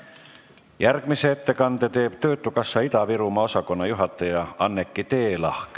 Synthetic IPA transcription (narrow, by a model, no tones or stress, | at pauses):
jærɡ̥miseet̪ːe̞kɑnd̪et̪e̞ːb̥t̪ø̞ːt̪ːukɑsːɑit̪ɑviɾumɑo̞sɑko̞nːɑjuɦɑt̪ːˑɑjɑɑnːekːit̪e̞ːlɑ̰hk